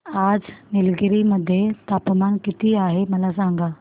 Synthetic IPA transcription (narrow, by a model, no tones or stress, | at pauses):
ad͡znilɡɾiməd̪ʱːjet̪apmankit̪iːaɦeməlasaŋɡa